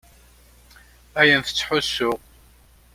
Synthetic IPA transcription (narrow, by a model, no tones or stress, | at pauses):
æjənθə̥t͡sːħʊsːʊʁ